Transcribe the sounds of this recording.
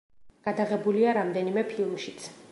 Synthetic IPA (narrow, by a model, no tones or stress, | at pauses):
ɡ̥ad̪aʁɛbuliaɾamd̪ɛnimɛpʰilˠmʃit̪sʰ